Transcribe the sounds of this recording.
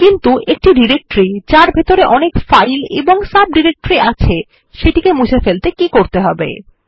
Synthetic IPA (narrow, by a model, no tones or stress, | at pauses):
kint̪uʔek̚ʈiɖiɾek̚ʈoɾid͡ʑaɾbʱet̪oɾeʔɔnekfajlḛboŋsab̚ɖiɾek̚ʈoɾiat͡ɕʰe | ʃeʈikemud͡ʑʱefelt̪ekikoɾt̪eɦɔbḛ